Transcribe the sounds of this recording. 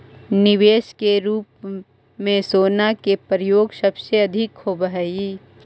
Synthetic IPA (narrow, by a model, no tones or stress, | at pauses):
nɪʋeːʃkeɾuːp | mẽsoːnakepɾɪjoːɡsɐbseɐd̪ʱɪkhoːbɦɛiː